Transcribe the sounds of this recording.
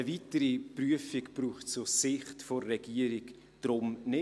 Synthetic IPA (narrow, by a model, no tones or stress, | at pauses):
əvitəɾipryəfikpruːχtt͡sʊsɪχtforːɛɡiːəɾiɡ | d̥rʊmnɪ